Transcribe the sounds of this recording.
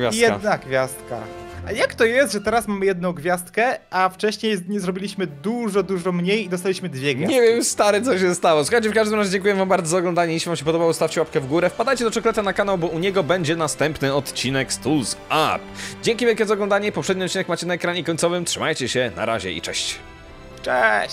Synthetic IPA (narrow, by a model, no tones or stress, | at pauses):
vʲja̰sjɛad̪naɡvʲjast̪̚ka̰jakt̪ɔjɛst̪ʐɛt̪ɛɾasmamɘjɛd̪̚nɔ̃w̃ɡvʲjast̪kɛaft͡ʂɛɕɲejzd̪ɲzɾɔbʲilʲiɕmɘd̪uʐɔd̪uʐɔmɲejid̪ɔst̪alʲiɕmɘd̪vʲjɛɡɲɛvʲjɛmst̪aɾɛt̪sɔɕ̬ɛst̪awɔsuxajt͡ɕɛfkaʐd̪ɘmɾazʑed͡ʑɛŋkujɛvambaɾd̪ɔzaɔɡlɔnd̪aɲɛiɕivamɕɛp̬ɔd̪ɔbawɔst̪aft͡ɕɛwap̚kɛvɡuɾɛfpad̪ajt͡ɕɛd̪ɔt͡ʂɔkɔlɛt̪anakanawbɔʔuɲɛɡɔbɛɲd͡ʑɛnast̪ɛmpnɘɔt̪t͡ɕinɛkst̪ulza̰pd͡ʑɛŋkʲivʲɛlkʲɛzaɔɡlɔ̃nd̪aɲɛipɔpʂɛd̪ɲiɔt̪t͡ɕːinɛkmat͡ɕɛnaɛkɾaɲɛkɔɲt̪sɔvɘmtʂɘmajt͡ɕɛɕɛna̰ɾa̰ʑɛ̰ḭt͡ʂɛ̰ɕt͡ɕ | t͡ʂɛɕ